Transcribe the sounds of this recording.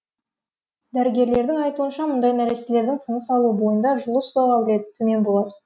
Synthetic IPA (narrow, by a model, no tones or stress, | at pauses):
d̪æɾɪɡʲe̞ɾle̞ɾd̪ɪŋɑjt̪uənʃɑmʊnd̪ɑjnæɾesele̞ɾd̪ɪŋt̪ʰənəsɑlˠubo̞jənd̪ɑʒʊlˠəst̪oʁɑwɪled̪ɪt̪ʰːɵme̞nbo̞lˠɑd̪ə